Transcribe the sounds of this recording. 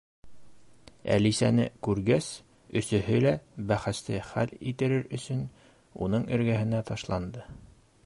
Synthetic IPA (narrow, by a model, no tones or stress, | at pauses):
æ̰lisænɘkʉɾɡæs | ɵ̆sɵ̆ɦɵlæbæχæst̪ɘχælit̪ɘ̆ɾɘɾɵ̆sɵn | unɤɴɘ̆ɾɡæɦɘ̆næt̪ɑʃlˠɑnd̪ɤ